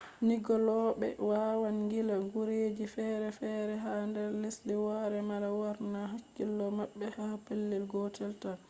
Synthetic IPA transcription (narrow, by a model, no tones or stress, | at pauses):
niɡɔlɔɓɛ̰wawanŋɡilaɡuɾeːd͡ʒifɛɾɛfɛːɾɛɦandɛɾlisliwaɾɛmalawaɾnaɦakːilːɔmaɓːɛhapelːilɡɔtɛlta